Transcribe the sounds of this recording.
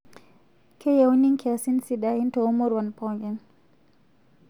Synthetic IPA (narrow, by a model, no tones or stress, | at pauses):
kʰɛjawɲiŋkʰɛasinsiɗaintɔɔmɔɾwanpɔɡɛn